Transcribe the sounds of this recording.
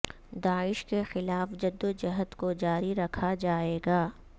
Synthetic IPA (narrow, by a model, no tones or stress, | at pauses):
d̪aːɪʃkexɪlaːfd͡ʒɐd̪ːod͡ʒɐɦət̪kod͡ʒaːɾiɾɐkʰad͡ʒaːeːɡaː